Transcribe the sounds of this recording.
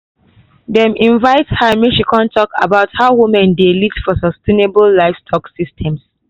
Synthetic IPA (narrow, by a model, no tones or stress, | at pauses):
dɛ̃mĩnvaɪthamiʃikʰɔ̃ntʰɔka̰baʊthaʊwumɛ̃ndelitfɔsɔstʰenebəllaɪfstʰɔksistʰɛ̃ms